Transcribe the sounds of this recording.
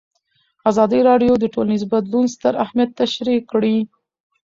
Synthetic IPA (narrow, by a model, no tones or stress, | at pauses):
azɑd̪əjɾɑɖjod̪əʈolnizbad̪lunst̪əɾahmjat̪ːaʃɾikːɽi